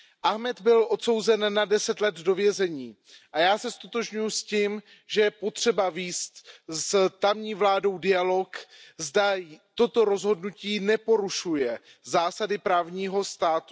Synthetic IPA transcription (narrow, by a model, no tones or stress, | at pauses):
ʔaɦmɛd̪bɪlʔo̞t̪so̞wzɛnːadɛsɛt̪lɛd̪do̞vjɛzɛɲiː | ʔajaːsɛst̪ot̪oʒɲujusciːm | ʒɛjɛpo̞t̪r̝̥ɛbaviːst̪st̪amɲiːvlaːdo̞wdɪjalo̞kzdat̪o̞t̪o̞ɾo̞zɦo̞dnuciːnɛpo̞ɾuʃujɛ | zaːsadɪpɾaːvɲiːɦo̞st̪aːt̪u